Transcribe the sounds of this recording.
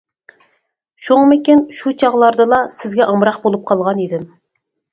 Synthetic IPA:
ʃoŋmɪkʲinʃut͡ʃʰɑʁlˠɑɾd̪ɨlˠɑsɪzɡʲɛʔɑmɾɑqbolˠup̚qʰɑlˠʁɑnid̪ɪm

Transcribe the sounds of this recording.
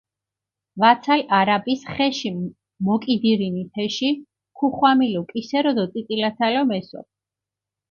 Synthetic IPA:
vat̪sʰalaɾabisχɛʃi | mɔkʼid̪iɾinit̪ʰɛʃi | kʰuχwamilɔkʼisɛɾɔd̪ɔt̪ʼit̪ʼilat̪sʰalɔmɛsɔ̰t̪

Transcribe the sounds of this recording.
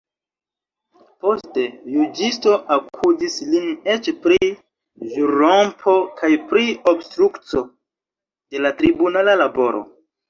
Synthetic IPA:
po̞ste̞jud͡ʒisto̞ʔakʰudisline̞t͡ʃpɾi | ʒuɾompʰo̞kʰajpɾiobstɾukt͡so̞ | d̥elatɾibunalalabo̞ɾo̞̰

